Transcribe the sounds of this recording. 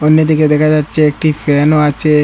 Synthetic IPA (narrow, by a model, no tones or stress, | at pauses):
onːed̪iked̪ɛkʰad͡ʑatːɕʰeek̚ʈifɛnoat͡ɕʰe